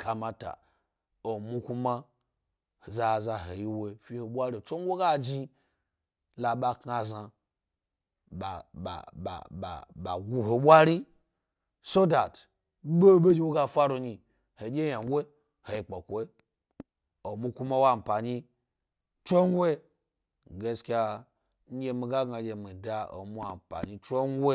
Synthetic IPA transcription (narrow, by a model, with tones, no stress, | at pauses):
kʰa˨ma˨ta̰˨ | o˨mu˦ku˦ma˦ | hza˨za˨ɦe˨ji˦we˨fi˦ho˨ɓʷa˦ɾi˦˨t͡ʃo˦ŋɡʷe˦ɡa˦d͡ʒi˦ | la˨ɓa˧kŋa˨za˧ | ɓa˨a̰˨a̰˨ɓa̰˨ɓa̰˨ɡu˨ɦo˨ɓʷa˦ɾi˦ | so˦da˨t | ɓo˦˨ɓe˦d͡ʒʲi˦wo˦ɡa˧fa˦ɾo˧ɲi˧ | he˨d͡ʒʲe˦ɲa˨ŋ˦ɡʷe˦ | he˨i˨k͡po˨kʷe˦ | o˨mu˧kʷu˦ma˦wa˦˨m̩˨pa˨ɲi˧ | t͡ʃo˦ŋ˦ɡʷe˦ | ɡe˧˦skʲa˧ | ɲ̩˦ɡʲe˧mi˧ɡa˦ɡa˨d͡ʒʲe˨mi˨da˧o̰˨mu˦a˨m̩˨pa̰˨ɲi˧t͡ʃo˦ŋ˦ɡʷe˦